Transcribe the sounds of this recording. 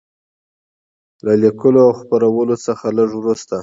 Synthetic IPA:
lalikəloawxpaɾawəlosəxaləʐwɾust̪a

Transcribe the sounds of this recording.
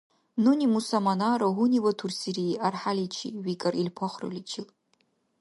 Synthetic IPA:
nunʲimusɐmanaːɾɐɦuniwɐtʰursiɾiarħalit͡ʃʰḭwikʼɐrʔilpʰɐχʷrɨ̰lit͡ʃʰɪl

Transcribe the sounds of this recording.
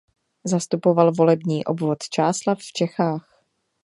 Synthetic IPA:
zast̪upo̞valvo̞lɛbɲiːʔobvot̪t͡ʃaːslafft͡ʃɛxaːx

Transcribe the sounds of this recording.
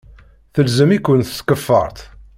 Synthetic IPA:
θəlzəmikʷːənθə̥skəfːə̰ɾˤt̪

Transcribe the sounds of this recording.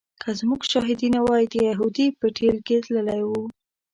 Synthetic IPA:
kʰəzmuɡʃɑɦɪd̪inawɑjid̪əjaɦud̪ipəʈʰelkezləlajwu

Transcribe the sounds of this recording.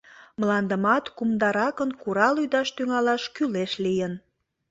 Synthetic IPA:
mlɑnd̪əmɑt̪kumd̪ɑɾɑkənkuɾɑlyd̪ɑʃt̪yŋɑlɑʃkyleʃlijən

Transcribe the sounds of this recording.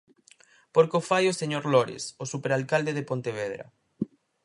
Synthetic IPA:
poɾkofajoseɲoɾloɾḛsosupeɾalkald̪eðepont̪eβ̞eðɾa̰

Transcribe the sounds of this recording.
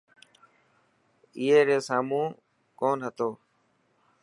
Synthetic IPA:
ɪːeːɾeːsaːmũː | koːnɦət̪oː

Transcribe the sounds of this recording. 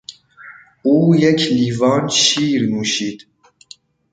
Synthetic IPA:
uːjɛkʰliːvɑːnʃiːɾnuʃiːd̪̥

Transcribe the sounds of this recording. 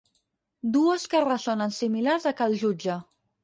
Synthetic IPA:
d̪uəskərəzonənsimilarzəkalˠʒud͡ʒə

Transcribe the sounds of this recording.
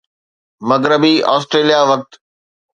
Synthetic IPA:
mɐɡɾɪbiɔːsʈɾeːlijaʋɐk̚t̪

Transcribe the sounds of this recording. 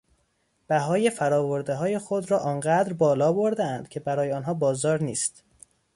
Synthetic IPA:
b̥æɦɒːje̞fæɾɒːvoɾd̪eɦɒːje̞xo̞d̪ɾɒːʔɒːnɢæd̪ɾbɒːlɒːbo̞ɾd̪eænd̪̥cʰe̞bæɾɒːjeɒːnɦɒːbɒːzɒːɾniːst̪

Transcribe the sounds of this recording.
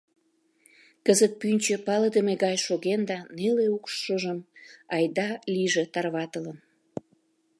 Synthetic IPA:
kəzət̪̚pynʲt͡ɕĕpɑləd̪əmeɣɑjʃoɣend̪ɑneleukʃʃəʒəmɑjd̪ɑliʒet̪ɑrβɑt̪ələn

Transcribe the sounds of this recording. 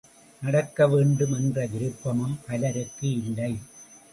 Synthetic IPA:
nɐɽɐkːɐʋeːɳɖɯmɛndrɐɡɪɾɯpːɐmɯmpɐlɐɾɯkːɯɪlːɐɪ

